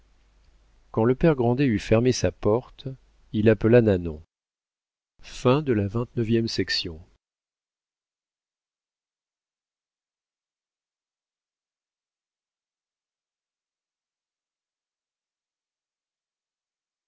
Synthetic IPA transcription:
kɑ̃ləpɛʁɡʁɑ̃d̪eyfɛʁmesapɔʁt̪ | ilapəlananɔ̃ | fɛ̃d̪əlavɛ̃t̪nəvjɛmsɛksjɔ̃

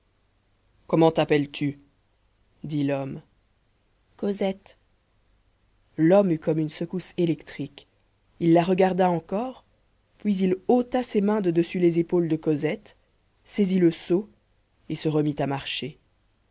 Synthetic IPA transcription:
kɔmɑ̃t̪apɛlt̪ʰy | d̪ilɔm | kɔzɛt̪ | lɔmykɔmynsəkuselɛkt̪χik | ilːaʁəɡaʁd̪aɑ̃kɔːʁ | pɥizilot̪asemɛ̃d̪əd̪əsylezepold̪əkɔzɛt̪ | seziləso | esəʁəmit̪amaʁʃe

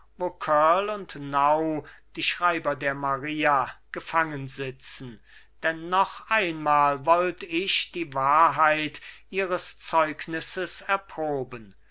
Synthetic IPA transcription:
voːkʰœɐlʊntnaʊd̥iːʃʁ̥aɪbɐdeːɐmaʁiːaɡ̥əfaŋənzɪt͡sn̩ | d̥ɛnːɔχʔaɪnmaːlvɔltɪʃd̥iːvaːɐɦaɪtʔiːʁəst͡sɔʏknɪsəsɛɐpʁ̥oːbən

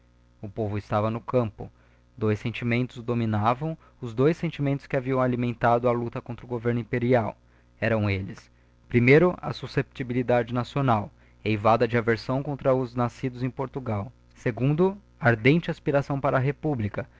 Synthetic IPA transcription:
ʊpovʊɪst̪avɐnʊkɐ̃mpʊ̰ | d̪ojsẽnt͡ʃimẽnt̪ʊzd̪ominavɐ̃w̃ | ʊzd̪ojsːẽnt͡ʃimẽnt̪ʊ̥skɪaviɐ̃w̃alimẽnt̪ad̪ʊɐlut̪ɐkõnt̪ɾʊɡoveɾnʊĩmpeɾiaw | ɛɾɐ̃w̃elɪs | pɾimejɾʊɐ̰susep̚t͡ʃ̪ibilid̪ad͡ʒɪnasionaw | ejvad̪ɐd͡ʒɪaveɾsɐ̃w̃kõnt̪ɾɐʊznasid̪ʊzẽj̃poɾt̪uɡaw | seɡũnd̪ʊ | aɾd̪ẽnt͡ʃɪaspiɾasɐ̃w̃paɾɐːɦepublikɐ

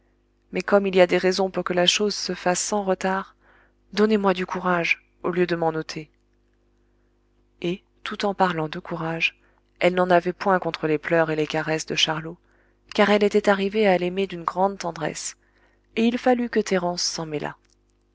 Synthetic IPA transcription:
mɛkɔmiliad̪eʁɛzɔ̃puʁkəlaʃozsəfasːɑ̃ʁət̪aʁ | d̪ɔnemwad̪ykʰuʁaʒ | oljød̪əmɑ̃not̪ʰe | e | t̪ut̪ɑ̃paʁlɑ̃d̪əkʰuʁaʒ | ɛlnɑ̃navɛpwɛ̃kɔ̃t̪χəleplœʁelekaʁɛsd̪əʃaʁlo | kaʁɛlet̪ɛt̪aʁivealɛmed̪ynɡʁɑ̃d̪̚t̪ɑ̃d̪ʁɛ̰s | eilfalykət̪eʁɑ̃sːɑ̃mɛlʔa̰

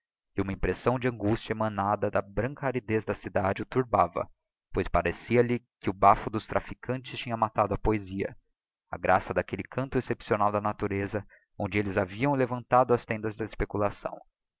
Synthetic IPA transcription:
ɪũmɐĩmpɾesɐ̃w̃d͡ʒɪɐ̃ŋɡust͡ʃɐemɐ̃nad̪ɐd̪ɐbɾɐ̃ŋkɐaɾid̪ezd̪ɐsid̪ad͡ʒɪʊt̪uɾbavɐ̰ | pojspaɾesiɐlɪkɪʊbafʊd̪ʊst̪ɾʔafikʰɐ̃nt͡ʃɪst͡ʃĩɲɐmat̪ad̪ʊɐpoeziɐ̰ | ɐ̰ɡɾasɐd̪akelɪkʰɐ̃nt̪ʊesepsionawd̪ɐnat̪uɾezɐ | õd͡ʒɪelɪzaviɐ̃w̃levɐ̃nt̪ad̪ʊɐst̪ẽnd̪ɐzd̪ɐespekulasɐ̰̃w̃

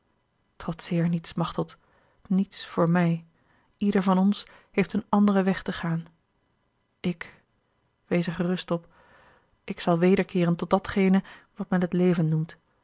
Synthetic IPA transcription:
trɔtsɪːɹnitsmɑχtəlˠt | nitsfʊːɹmɛj | idəɹvɑnɔns | ɦejftənɑndərəʋɛχtəχaːn | ɪk | ʋejzəχərɵstɔp | ʔɪksɑlˠʋejdəɹkɪːrəntɔt̚dɑtχejnəʋɑtmɛnɦətlejvənːumt

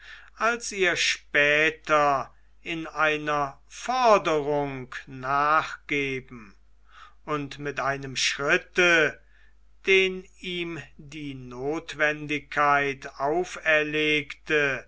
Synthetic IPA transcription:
ʔalsiːɐʃpɛːtɐ | ʔɪnaɪnɐ | fɔɐdəʁʊŋknaːχɡ̥eːbm̩ | ʊntmɪtʔaɪnəmʃʁɪtə | d̥eːn | iːmdiːnoːtv̥ɛndɪkʰːaɪtaʊfɛɐleːktə

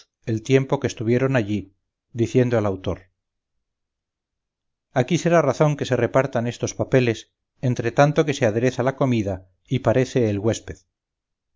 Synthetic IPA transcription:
e̞lt̪je̞mpokest̪uβje̞ɾo̞naʎi | d̪iθje̞nd̪oalawt̪o̞ɾ | akise̞ɾaraθo̞ŋke̞se̞re̞paɾt̪ane̞st̪o̞spape̞le̞s | e̞nt̪ɾe̞t̪ant̪o̞ke̞seaðe̞ɾe̞θalako̞miða | ipaɾe̞θe̞ːlɣwe̞spe̞ð

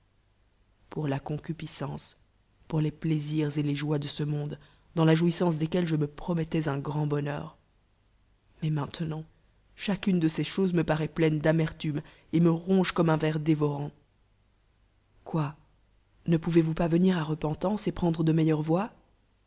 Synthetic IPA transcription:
puʁlakɔ̃kʲypisɑ̃s | puʁlepleziʁzeleʒwad̪əsəmɔ̃d̪ | d̪ɑ̃laʒuisɑ̃s̬d̪ekʲɛlʒəməpχɔmɛt̪ɛzɛ̃ɡʁɑ̃bɔnœ̰ːʁ | mɛmɛ̃t̪nɑ̃ | ʃakʲynd̪əseʃozməpaʁɛplɛnd̪amɛʁt̪ym | eməʁɔ̃ʒkɔmɛ̃vɛʁd̪evɔʁɑ̃ | kwa | nəpuvevupavəniʁaʁəpɑ̃t̪ɑ̃sepχɑ̃d̪ʁəd̪əmɛjœʁvwa

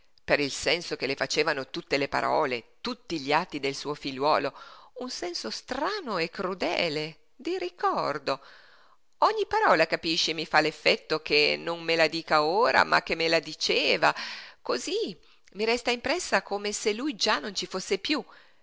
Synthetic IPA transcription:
peɾilsɛnsokelefat͡ʃeːvanot̪ut̪ːelepa̰ɾʔɔ̰ːlet̪ut̪ːiʎiat̪ːid̪elsuːofiʎːwɔ̰ːlounsɛnsost̪ɾaːnoekːɾud̪ɛ̰ːle | d̪iɾikɔrd̪o | ɔɲːipaɾɔːlakapiʃːemifalefːɛt̪ːok̟enoŋmelad̪iːkaoːɾa̰mʔa̰k̟ːemːelad̪it͡ʃeːvakozi | miɾɛst̪aimpɾɛsːakomeselujd͡ʒanːont͡ʃifosːepju

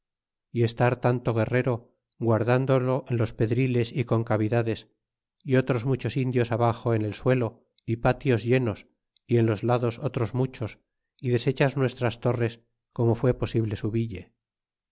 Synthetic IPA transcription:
ie̞st̪aɾt̪ant̪o̞ɣ̞e̞re̞ɾo̞ | ɣwaɾðand̪olo̞ʔenlo̞spe̞ðɾile̞siko̞ŋkaβ̞iðaðe̞s | io̞t̪ɾo̞zmut͡ʃo̞sind̪jo̞saβaxo̞ene̞lswe̞lo̞ | ipat̪jo̞zʎe̞no̞s | ie̞nlo̞zlaðo̞so̞t̪ɾo̞zmut͡ʃo̞s | iðe̞se̞t͡ʃaznwe̞st̪ɾast̪o̞re̞s | ko̞mo̞fwe̞po̞siβle̞suβiʎe

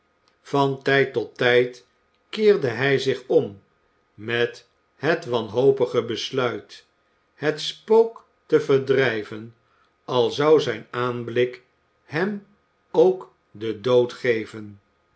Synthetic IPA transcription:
fɑntɛjtɔt̪ːɛjt | kɪːʁdəɦɛjzɪχɔm | mɛt | ɦɛtʋɑnɦowpəχəbəslœɥt | hətspowk | təvədrɛjvən | ɑlˠzɑwzɛjnaːnblɪk | hɛm | owk | dədowtχejvən

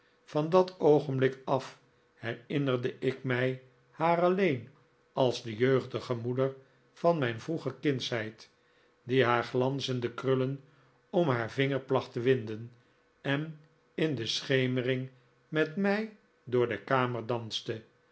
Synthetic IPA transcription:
fɑndɑtowχənblɪkɑf | hɛrɪnərdəʔɪkmɛj | haːrɑlejn | ɑlˠzdəjøɥχdəχəmudəɹ | fɑnmɛjnvruχəkɪnsɦɛjt | diɦaːɹχlɑnsəndəkrɵlən | ɔmɦaːɹvɪŋəɹplɑχtəʋɪndən | ɛn | ɪndəsχejmərɪŋ | mɛtmɛj | dʊːɹdəkaːməɹdɑnstə

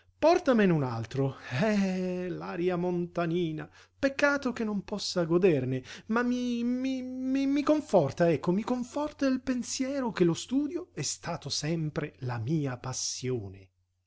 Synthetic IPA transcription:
pɔrt̪amenunalt̪ɾoɛlaːɾjamont̪aniːna | pekːaːt̪ok̟enːompɔsːaɡod̪ernemamːimimimikoɱfɔrt̪aɛkːomikoɱfɔrt̪ailpensjɛːɾok̟elost̪uːd̪joɛst̪aːt̪osɛmpɾelamiːapasːjoːne

